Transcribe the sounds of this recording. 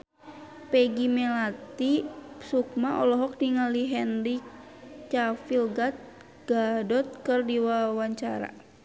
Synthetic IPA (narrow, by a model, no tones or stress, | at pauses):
pɛɡimɛlat̪isuk̚maʔɔlɔɦɔk̚diŋaliɦɛnri | t͡ʃafilɡat̪̚ | ɡ̥adɔt̪̚kərdiwawaɲt͡ʃaɾa̰